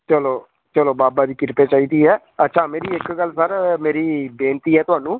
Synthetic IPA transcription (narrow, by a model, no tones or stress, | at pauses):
t͡ʃəloː | t͡ʃəloːbaːbaːd̪iːkɪɾpeːt͡ʃaːiːd̪iːɦɛː | ətːʃʰaːmeːɾiːɪkɡəlːsəɾmeːɾiːbẽːnt̪iːɦɛːt̪ʊɦaːnũː